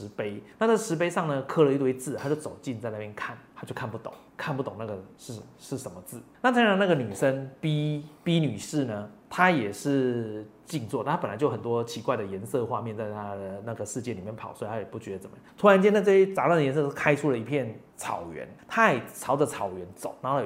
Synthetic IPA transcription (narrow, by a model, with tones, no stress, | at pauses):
ʂɻ̩˧˥pe˥ɪna˥˧t͡sa˥˩ʂɻ̩˧˥p̬e˥ɪʂɑ˥˩ŋnə˩kʰɤ˥˩lə˨i˧˥t̪we˥ɪt͡sɹ̩ʰ˥˩a˥t͡ɕjo˥˩ʊt͡so˨˩ʊt͡ɕi˥˧nt͡sa˥˧ɪna˥˧pjɛ˥˧nkʰa˥˩nt̪ʰa˥t͡ɕjo˥˧ʊkʰa˥˧npu˥˩t̪ʊ̰˨˦ŋkʰa˥˧npu˥˩t̪o˨˩ŋna˥˩ɡə˩ʂɻ̩˥˩ʂɻ̩˥˩ʂə˧˦nmə˧t͡sɹ̩˥˩na˥˩t̪ʰi˧˥ŋɻɑ˧˥ŋna˥˩ɡə˨ny˨˩ʂə˦npi˥pi˥ny˨˩ʂɻ̩˥˩nə˩t̪ʰa˥jɛ˨˩ʂɻ̩˥˧t͡ɕi˥˧ŋt͡swɔ˥˨˧a˥˩˥pə˨˩la˨˦ɪt͡ɕjo˥˩ʊxə˨˩nt̪wɔ˦˥t͡ɕʰi˧˥kwa˥˩ɪd̪ə˩jɛ˧˥nsɤ˥˧xwa˥˧mjɛ˥˧nt͡sa˥˩ɪt̪ʰa˦˥d̪ə˩na˥˩ɡə˩ʂɻ̩˥˧t͡ɕjɛ˥˩nli˨˩mjɛ˥˩npʰɑ˨˩˦ʊswt̪ʰa˥˩jɛ˨˩pu˥˩t͡ɕɥɛ˧˥d̪ə˧t͡sə˨˩mə˦jt̪ʰu˥a˧˥nt͡ɕjɛ˥n˥˧ɪʈ͡ʂɤ˥˧˩ɕɛ˥t͡sa˧˥lwa˥˩nd̪ə˨˩jɛ˧˥nsɤ˥˧˥kʰa˥ɪʈ͡ʂʰu˥lə˨i˧˥pʰjɛ˥˩n | t͡sʰɑ̰˨˩ʊɥɛ̰˧˥nt̪ʰa˥˩ɪ˨˩t͡sʰɑ˧˥ʊdə˧t͡sʰɑ˨˩ʊɥɛ˧˥nt͡so˨˩˦ʊna˧˥lə˨˩